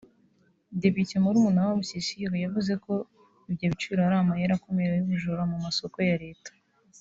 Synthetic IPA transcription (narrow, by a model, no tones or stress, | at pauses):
de̞pitemuɾumunawaβusisiojavuze̞ko̞ | ibɟoβit͡ʃuiɾaɾaːmajaɾako̞meɾejumiʒoɾomumaso̞ko̞jaɾe̞ːtḁ